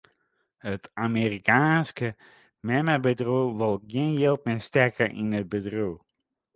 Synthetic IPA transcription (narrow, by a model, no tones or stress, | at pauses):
ɦətʰamirikaːnskə | mɛmabədruʋəlˠɡɪənjɪlˠt̚mɪstɛɹkəʔɪ̰nəd̚bədru